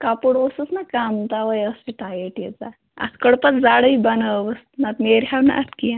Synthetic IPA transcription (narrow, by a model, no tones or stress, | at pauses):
kapuɽosəsnakamt̪aʋajəsiʈajeʈjet͡sa̰ | a̰skəɽpət̪d͡zaɽəibɐnəbəsnat̪meɾɦawna̰t̪kijã